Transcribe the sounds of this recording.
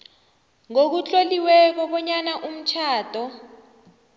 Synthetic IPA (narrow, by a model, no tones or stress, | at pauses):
ŋok̬ut͡ɬʼoliwɛk̬ɔɓɔɲanaʔum̩t͡ʃʰaːtʼɔ